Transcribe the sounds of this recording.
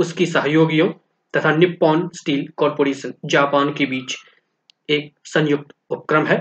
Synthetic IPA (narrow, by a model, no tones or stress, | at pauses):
ʊskisɐɦjoːɡijõ | t̪ɐt̪ʰanɪpːɔːnsʈiːlkɔːɾpoːɾeːʃənd͡ʒaːpaːnkebiːt͡ʃ | eːk̚sɐ̃njʊk̚t̪ʊp̚kɾəmɦɛː